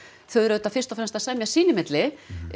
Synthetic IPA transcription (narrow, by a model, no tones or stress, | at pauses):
θœɥɛɾðʏt̪afɪrst̪ɔfɾɛmst̪asɛmjasiːnɪmɪt̪lɪ